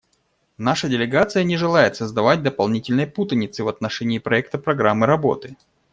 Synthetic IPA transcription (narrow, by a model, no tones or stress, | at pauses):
naʂədʲɪlʲɪɡat̪sɨjənʲɪʐɨlˠajɪt̪səzd̪ɐvat̚ʲd̪əpɐlˠnʲitʲɪlʲnəjput̪ənʲɪt̪sɨvɐt̪nɐʂɛnʲɪːpɾɐɛk̚t̪əpɾɐɡɾamːɨɾɐbo̞̰t̪ɨ